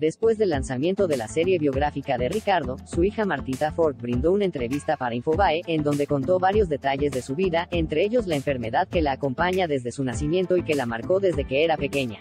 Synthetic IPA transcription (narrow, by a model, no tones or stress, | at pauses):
d̪e̞spwe̞zðe̞lːansamje̞nt̪o̞ðe̞lase̞ɾje̞βjo̞ɣɾafikaðe̞rikaɾðo̞suixamaɾt̪it̪afo̞ɾk̚bɾind̪o̞unae̞nt̪ɾe̞βist̪apaɾaiɱfo̞βaeʔend̪o̞nd̪e̞ko̞nt̪o̞βaɾjo̞zðe̞t̪aʝe̞zðe̞suβiðae̞nt̪ɾe̞eʝo̞zlaeɱfe̞ɾme̞ðaðke̞laːko̞mpaɲaðe̞zðe̞sunasimje̞nt̪o̞ike̞lamaɾko̞ðe̞zðe̞ke̞eɾape̞ke̞ɲa